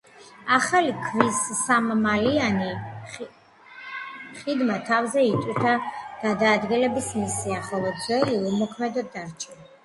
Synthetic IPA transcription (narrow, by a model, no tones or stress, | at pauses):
aχalikʰvisːammaliani | χid̪mat̪ʰavzɛit̪ʼwiɾt̪ʰaɡ̥ad̪aːd̪ɡɛlɛbismisiaχɔlˠɔd̪zwɛliumɔkʰmɛd̪ɔd̪aɾt͡ʃʰɛ